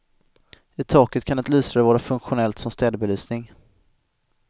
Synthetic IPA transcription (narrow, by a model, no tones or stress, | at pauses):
ɪt̪ʰɑːkət̪̚kʰanɛt̪lyːsɾaɾəvɑːɾafɵŋkɧʊnɛlt̪sɔmst̪ɛːd̪əbɛlyːsnɪŋ